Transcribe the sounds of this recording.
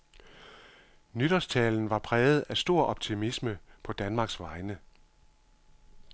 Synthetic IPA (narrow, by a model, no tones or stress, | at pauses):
nyɾ̥ɒst͡sʰɛːln̩ʋɑ̈pʰʁɛːð̩ˠæsd̥o̝ɐ̰ʔɒ̽b̥t͡sʰimisməpʰɒ̽d̥ænmɑ̈ːɡ̥sʋɑ̈ɪnə